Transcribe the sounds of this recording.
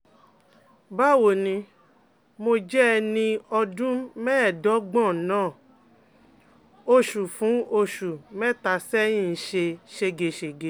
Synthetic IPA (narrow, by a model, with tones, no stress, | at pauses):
ba˦˨wo˨nĩ˧ | mo˧d͡ʒɛ˦˧nĩ˧ɔ˧dũ˦mɛː˦˨dɔ˨˦ɡ͡bɔ̃˦˨˦nãː˦˨ | o˦˧ʃu˨fũ˨˦o˧ʃu˨mɛ̃˦˨ta˧sɛ˦jĩ˦˨˦ʃe˧ʃe˧ɡe˨ʃe˨ɡe˨